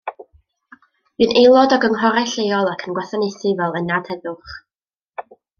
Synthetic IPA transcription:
mɨnejlˠɔdɔɡəŋɦɔɾɛɬejɔlˠakʰənɡwɛθanejθɪvɛlˠənad̥hɛðʊχ

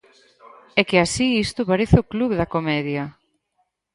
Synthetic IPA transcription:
ɛkɪasiist̪ʊpaɾeθɪokluβðɐkomɛðjɐ

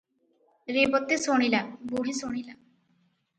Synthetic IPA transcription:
ɾebɔt̪ːesoɽ̃ilaboɽisoɽ̃ila

